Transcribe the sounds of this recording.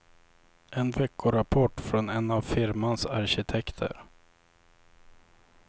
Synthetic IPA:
ɛnvɛkːʊɾapʰɔʈːfɾɔnɛnavfɪɾmansaɾɕɪt̪ʰɛkt̪ʰə̰ɾ

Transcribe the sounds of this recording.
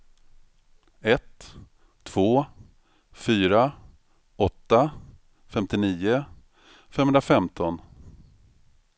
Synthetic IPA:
ɛt̪ʰː | v̥oː | fyːɾa | ɔt̪ːa | fɛmt̪ɪniːʊ | fɛmɦɵnɾafɛmt̪ʰɔn

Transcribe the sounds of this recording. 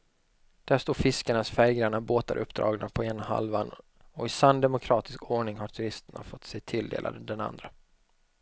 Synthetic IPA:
d̪̥æʂt̪oːɾfɪskaɳasfɛjɡɾaɳaboːt̪a̰ɾʔɵ̰pːd̪ɾɑ̰ːɡnapʰɔeːnaha̰lvan | ɔɪsand̪ɛmʊkʰɾɑːt̪ɪskʰoːɳɪŋhaʈʰɵɾɪst̪əɳa̰fɔt̪ːsɛːt̪ʰɪld̪ḛːlʔa̰d̪əd̪ɛna̰nd̪ɾə

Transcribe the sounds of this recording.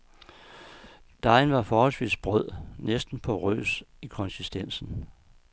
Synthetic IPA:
d̥ɑ̈ɪnʋɑ̈fɒːhɒlsʋḭːsb̥ʁœð̰ˠnesd̥n̩pʰɒ̽ʁø̰ːsikʰɒ̽nsisd̥en̰sn̩

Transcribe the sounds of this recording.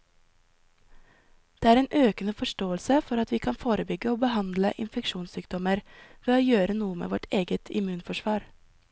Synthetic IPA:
d̪̥eːæːɾeːnʔøːkənəfɔʃʈoːəlsəfɔɾɑt̪ʋiːkʰɑnfoːɾəbʏɡəoːbəhɑnd̪ləʔɪnfɛkʃuːnsyːkd̪ɔməɾʋeːoːjøːɾənuːəmḛːʋɔʈʰeːɡət̪ʰɪ̰mʉːnfɔʃʋɑːɾ

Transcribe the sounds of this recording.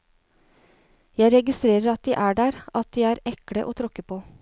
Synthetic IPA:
jæɪɾɛɡɪst̪ɾeːɾəɾɑt̪̚d̪iːʔæːɖæːɾʔɑt̪̚d̪iːæːɾɛkɽəʔoːt̪ʰɾɔkəpʰoː

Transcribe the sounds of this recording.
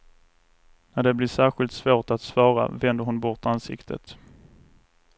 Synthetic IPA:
næɖɛblɪʂæːɾɧɪlt̪svoːʈat̪svɑːɾa̰vɛnd̪əɾhʊnbɔʈansɪ̰kt̪ʰə̰t̪

